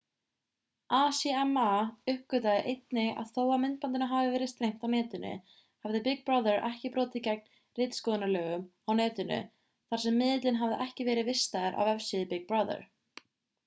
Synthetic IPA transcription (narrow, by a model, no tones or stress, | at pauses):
aːsɛɛmaʏhkʏt̪aðɪʔejt̪nɪɣa̰ðθowamɪnt̪̚pant̪ɪnaɦavɪvɛːɾɪðst̪ɾejm̥t̪awnɛːt̪ʏnʏ̰ | havðɪpɪɡ̚pɾaðɛɾʔɛhcɪpɾɔːt̪ɪcɛk̚n | rɪjt̪skɔːðɪnalœːɣʏmawnɛːt̪ʏnʏ̰ | θaɾ̥sɛmːɪːðɪt̪lɪnɦavðɪʔɛhcɪvɛːɾɪðvɪst̪aðɪɾʔa̰vɛfsɪðɪpɪɡ̚bɹaðə̰ɾ̥